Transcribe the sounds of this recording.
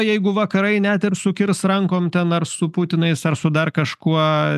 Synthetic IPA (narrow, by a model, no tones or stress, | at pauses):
jɛɪɡʊʋɐkɐɾɐɪnʲɛt̪ʲɪrsʊkʲɪrsrɐŋkoːmt̪ʲɛnɐrsʊpuːt̪ʲɪnɐɪsɐrsʊd̪ɐrkɐʃkuɔ